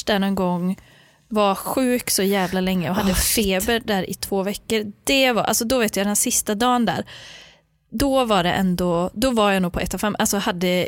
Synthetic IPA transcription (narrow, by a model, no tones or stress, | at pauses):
dɛnɔnɡɔŋː | vaɧʉ̟ːksɔjæːvlalɛŋːəɔɦad̪ːəfeːbəɾɖæːɾɪ̰t̪ʰv̥oːvɛkːəɾd̪̥ɛvaɾʔa̰lsɔd̪ɔveːt̪jad̪ɛnsɪst̪ad̪ɑːənd̪æ̰ːɾ | d̪ɔvaɖɛʔɛnd̪ɔd̪ɔvaɾjanuːɡ̚pʰɔʔɛt̪ːafɛmːʔalsɔhad̪ːə